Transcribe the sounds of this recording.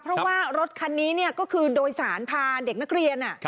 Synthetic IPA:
pʰɾɔ˦˥waː˥˩ɾo˦˥t̪̚kʰa˧nːiː˦˥ni˥˩ɐkɔː˥˩kʰɯː˧doː˧jsaː˩˦npʰaː˧nde˨˩k̚na˦˥k̚ɾi˧ənʔa˨˩

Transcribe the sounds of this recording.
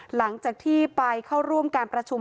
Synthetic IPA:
la˩˦ŋt͡ɕaː˨˩k̚t̪ʰiː˥˩pa˧jkʰa˥˩wɾu˥˩əmkaː˧npɾa˧t͡ɕʰu˧m

